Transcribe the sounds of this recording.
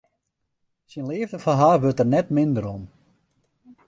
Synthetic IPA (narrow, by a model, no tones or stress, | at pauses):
sinleːvdəfanɦaːrʋʏrtərnɛtmɪnd̪əɾɔm